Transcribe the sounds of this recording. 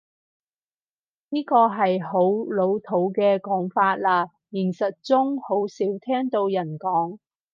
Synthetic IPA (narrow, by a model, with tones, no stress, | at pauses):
niː˥kɔː˧ɦɐ˨jɦo˨˥wlo˨˧wt̪ʰo˨˥wkɛː˧kɔː˨˥ŋfaː˧t̚laː˧ | jɪ˨˩ŋsɐ˨t̚t͡sʊ˥ŋho˨˥wsiː˨˥wt̪ʰɛː˥ŋt̪o˧wjɐ˨˩nkɔː˨˥ŋ